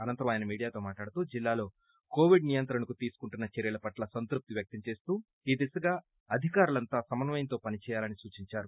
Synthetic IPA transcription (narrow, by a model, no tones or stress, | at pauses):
ɐnɐnt̪ɐɾɐmaːjɐnɐmiːɽijaːt̪o̞ːmaːʈlaːɽut̪uːd͡ʒilːaːlo̞ː | ko̞ːʋiɖnijɐnt̪ɾɐnɐukut̪iːsu̥kuɳʈunːɐt͡ʃɛɾjɐlɐpɐʈlɐsɐnt̪ɾup̚t̪iʋjɐk̚t̪ɐmt͡ʃe̞ːst̪uː | iːd̪isɐɡaː | ɐd̪ʱikaːɾulɐnt̪aːsɐmɐnɐʋɐjɐnt̪o̞ːpɐnit͡ʃɛːjaːlɐnisuːt͡ʃiɲt͡ʃaːɾu